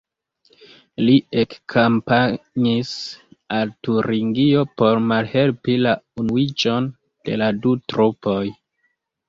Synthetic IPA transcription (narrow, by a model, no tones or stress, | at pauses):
liekkʰampaɲisaltuɾiŋɡio̞po̞ɾmalhe̞lpilaunuid͡ʒo̞n | d̥e̞̰ladutɾupo̞j